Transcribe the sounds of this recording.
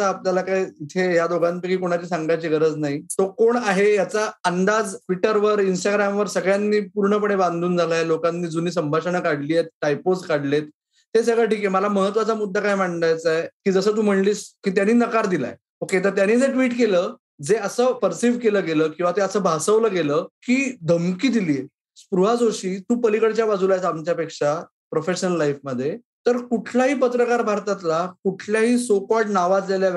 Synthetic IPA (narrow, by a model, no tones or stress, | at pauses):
aːpnjalakajit̪ʰeɦjad̪oɡʱanpekiːkoɽ̃at͡ɕiːsaŋɡajt͡ɕeɡəɾəd͡znaɦisokoɳaɦejat͡saənd̪ad͡zʈʰʋiʈəɾʋəɾinsʈaɡɾamʋəɾsəɡɭjanːiːpuɾɳəp̬əɽeband̪ʱuːnd͡zʱalaelokanːiːd͡zuniːs̬əmbʱaʂəɳakaɽliːet̪̚ʈajpod͡zkaɽlet̪̚ː | es̬əɡɭəʈiːkeməlaməɦət̪ʋat͡samud̪ʱːakajm̤aɳɳajt͡saekiːd͡zəsəːt̪̬uːm̤əɳliːskiːt̪janiːnəkaɾd̪ila̰j | oket̪̬əɾt̪janːiːd͡zeʈʋiːʈkeləː | d͡zeəsəːpəɾsiʋkeləːɡeləːkĩw̃ʋat̪eəsəːbʱasəʋləːɡeləːkiːd̪ʱəmkiːd̪iliːje | spɾuɦad͡zoɕiːt̪uːpəlikəɽt͡ɕjabad͡zulajsamt͡ɕjapekʂa | pɾofeɕənəlːajfməd̪ʱːje | t̪əɾkuʈʰlaɦiːpət̪ɾəkaɾbʱaɾt̪at̪lakuʈʰljaɦiːsokɔʈnaʋat̪d͡ʑalja